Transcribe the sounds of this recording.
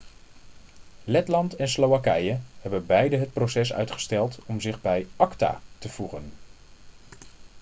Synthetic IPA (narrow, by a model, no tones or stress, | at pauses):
lɛtlɑntɛnslowakɛjəɦɛbənbɛjdəɦət̚prosɛs̬œ̰ɥtχə̥stɛlˠtɔmzɪχbɛjɑkta̰ːtəv̥uχən